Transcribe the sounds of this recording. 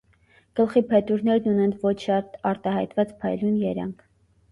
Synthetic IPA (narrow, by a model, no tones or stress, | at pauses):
ɡ̥əlχipʰɛt̪uɾnɛɾnunɛnvɔt͡ʃʰʃɑt̪ɑɾt̪ɑɦɑjt̪vɑt͡spʰɑjlunjɛɾɑ̰ŋkʰ